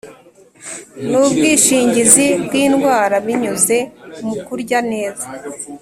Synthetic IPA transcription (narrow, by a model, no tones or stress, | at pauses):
nuːbɡiːʃiːɲɟizibɡiːnɡwaːɾaβiɲuze̞mukuɾɟane̞ːza